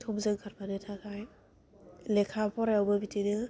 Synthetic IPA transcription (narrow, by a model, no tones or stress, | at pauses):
tʰɔbzɯŋkʰaɾpʰanɯtʰakʰaj | lekʰapʰɔɾajawbabitʰinɯ